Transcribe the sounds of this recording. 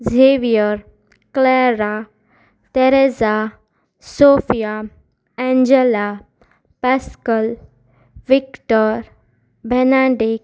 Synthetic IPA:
zʱeʋijəɾ | kleɾa | ʈeɾeza | soːfija | ɛ̃ɲd͡ʒela | pɛskəl | ʋikʈəɾ | bʱɛnaɖik̚

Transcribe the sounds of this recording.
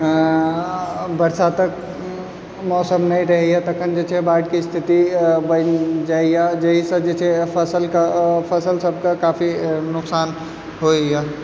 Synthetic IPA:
bəɾsat̪ək | mɔsəmnəjɾəɦɛjat̪əkʰənd͡ʒet͡ʃʰɛbaɖkist̪ʰit̪ibənd͡ʒaijad͡ʒəɦisə̃d͡ʒet͡ʃʰɛpʰəsəlkapʰəsəlsəb̚ʱkakapʰinʊksan | ɦoija

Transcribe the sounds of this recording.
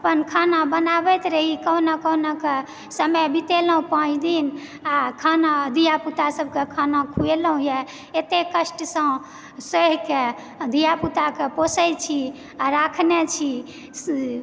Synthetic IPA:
əpənkʰanabənabɛt̪ɾəɦikənakəwnake | səməbit̪eləɦũpãt͡ʃʰd̪in | akʰanad̪ijaput̪asəb̚ʱkekʰanakʰueləɦũjɛ | et̪ekəsʈsə̃ | səɦke | d̪ijaput̪akeposəjt͡ʃʰi | aɾakʰnet͡ʃʰi | s

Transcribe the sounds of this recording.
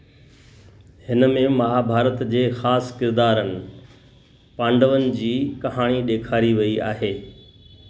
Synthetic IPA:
hɪnəmẽmɐɦabʱaːɾət̪d͡ʑeːxaːskɪɾd̪aːɾənɪ̆ | pãːɳɖəʋənɪ̆d͡ʑiːkɐɦaːɽ̃iɗeːkʰaːɾiʋɐia̰ːɦeː

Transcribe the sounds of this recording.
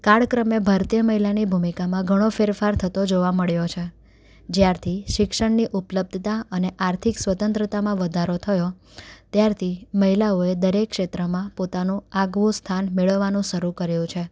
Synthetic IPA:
kaɭkɾəmebʱaɾt̪ijəməɦilanibʱumikamãɡʱəɽ̃ofeɾfaɾt̪ʰət̪od͡ʒoʋaməɭjot͡ʃʰe | d͡ʒjaɾt̪ʰiʃɪkʃəɳniʔupləb̚d̪ʱt̪aəneʔaɾt̪ʰiksʋət̪ə̃nt̪ɾət̪amãʋəd̪ʱaɾot̪ʰəjo | t̪jaɾt̪ʰiməɦilaoed̪əɾekːʃet̪ɾəmãpot̪anũaɡʋost̪ʰanmeɭəʋːanũʃəɾukəɾjũt͡ʃʰe

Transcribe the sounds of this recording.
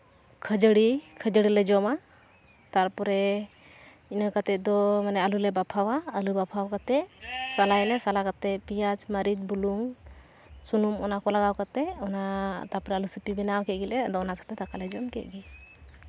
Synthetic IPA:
kʰəd͡ʒəɽikʰəd͡ʒəɽilɛd͡ʒɔma | t̪aɾpɔɾɛ | inakat̪ɛt̪̚ˀd̪ɔmanɛəlulɛbapʰawaəlubapʰawkat̪ɛsalajlɛsalakat̪ɛpijad͡ʒmaɾit̪̚buluŋ | sunumɔnakɔlaɡawkat̪ɛɔnat̪aɾpɔɾɛalusipibɛnawkɛt̪̚ɡilɛad̪ɔɔnasḁt̪ɛt̪akalɛd͡ʒɔmkɛʔ̚ɡi

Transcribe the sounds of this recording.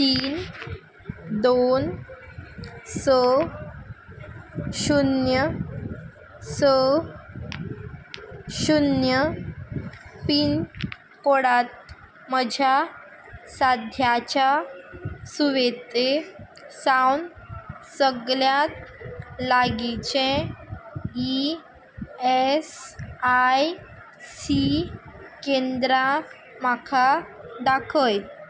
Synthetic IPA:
t̪iːn | d̪on | sə | ɕunjə | sə | ɕunjə | piːn | koɽat̪̚ | məd͡ʑʱja | sad̪ʱjat͡ɕja | suʋet̪e | sawnsəɡljat̪̚laɡit͡ɕẽ | i | esaj | si | kend̪ɾa | makʰad̪akʰəj

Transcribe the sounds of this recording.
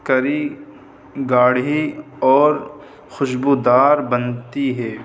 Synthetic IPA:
kɐɾi | ɡaːɽɦi | ɔːɾ | xʊʃbuːd̪aːɾbɐnt̪iɦɛː

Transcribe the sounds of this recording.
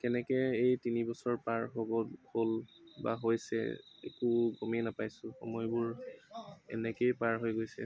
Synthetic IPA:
kɛnɛkɛejtinibɔsɔɹpaɹɦobɔholba̰ɦojsɛ̰ḛkuɡomɛnapajsʊxɔ̰mɔjbʊɹ | ɛ̰nɛkejpaɹɦojɡojsɛ̰

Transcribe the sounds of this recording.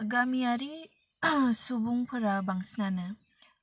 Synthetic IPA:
ɡamijaɾi | subuŋpʰɯɾabaŋsnanɯ

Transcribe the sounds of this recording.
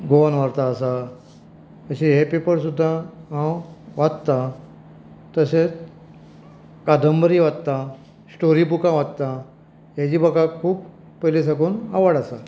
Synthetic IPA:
ɡonʋaɾt̪aːsa | əɕiɦepepəɾsud̪ʱːaɦãwʋat̪t̪a | t̪əset͡s | kad̪ʱəmbəɾiʋat̪t̪a | sʈoɾiːbukãʋad̪t̪a | ɦjad͡ʑiːbəɡakʰuːp | pəlis̬aɡuːna̰ʋəɽasa

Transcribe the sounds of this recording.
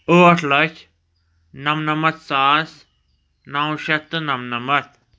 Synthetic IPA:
oɐʈʰlɐt͡ʃ | nɐmnɐmɐt̪saːs | naw̃ʃɐt̪ɨnɐmnɐmɐt̪̚

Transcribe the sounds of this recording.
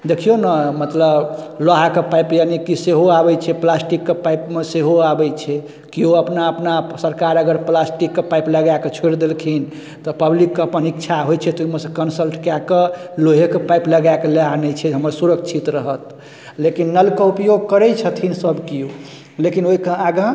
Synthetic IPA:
d̪ekʰijonəmət̪ləblaɦakepajpjanikiseɦoabɛt͡ʃʰɛplasʈikːepajpmeseɦoabɛjt͡ʃʰɛ | kioəpnaəpnasəɾkaɾəɡəɾplasʈikːepajpləɡaket͡ʃʰeɽd̪elkʰin | t̪ɔpəblikːeəpənikt͡ʃʰaɦojt͡ʃʰɛt̪ɔuimeɾsəkənsəlʈkakeloɦekepajpləɡakeleanɛt͡ʃʰɛɦəməɾsuɾəkt͡ʃʰit̪ɾəɦət̪ | lekinːəlkeupjoɡ̚kəɾɛt͡ʃʰət̪ʰinsəbkio | lekinoɦikeaɡã

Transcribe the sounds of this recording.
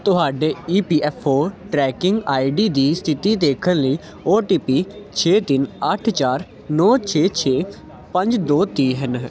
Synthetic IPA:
t̪ʊɦaːɖeːiːpiːʔɛːpʰoːʈɾɛːkɪŋɡaːiɖiːd̪iːst̪ʰɪt̪iːd̪eːkʰənləiː | oːʈiːpiːt͡ʃʰeːt̪ɪnəʈʰt͡ʃaːɾ | nɔːt͡ʃʰeːt͡ʃʰeː | pə̃ɲd͡ʒd̪oːt̪iːɦən

